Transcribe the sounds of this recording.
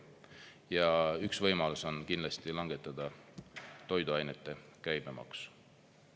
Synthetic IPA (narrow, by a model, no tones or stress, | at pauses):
jɑyksvɤjmɑluso̞nkindlɑst̪ilɑŋɡ̥e̞t̪ːˑɑd̪̥ɑ | t̪o̞jd̪uɑjnet̪ːˑe̞kæjb̥emɑ̰ksu̥